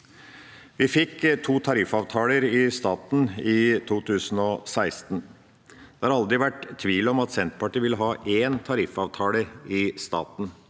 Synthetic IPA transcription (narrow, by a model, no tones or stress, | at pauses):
ʋɪfɪkːt̪ʰuːt̪ʰɑɾɪfɑʋt̪ʰɑːləɾɪst̪ɑːt̪n̩ɪt̪ʰuːt̪ʰʉːsən̩ɔsæɪst̪n | d̪ɛhɑɾɑld̪ɾɪʋæʈt̪ʰːʋiːlɔmɑt̪sɛnt̪pʰɑʈiːʋɪlːəɦɑːʔeːnt̪ʰɑɾɪfɑːʋt̪ʰɑːləɾɪst̪ɑ̰ːt̪n̩